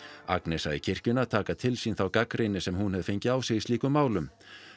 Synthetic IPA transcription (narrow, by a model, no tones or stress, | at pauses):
a̰knɛsaɪcʰɪr̥cʏnat̪ʰaːkat̪ʰɪlsinθawkakɾɪjnɪsɛmhunhɛvð̥feɲcɪaːwsɛɣist̪iːkʏmːaːwlʏm